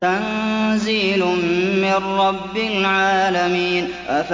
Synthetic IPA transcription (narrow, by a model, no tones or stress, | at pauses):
anziːlʊmɪnɾɑbːɪlʕaːlamiːn | ʔaf